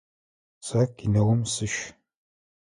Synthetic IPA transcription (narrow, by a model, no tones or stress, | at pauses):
sakinɐwʊmsɨʃ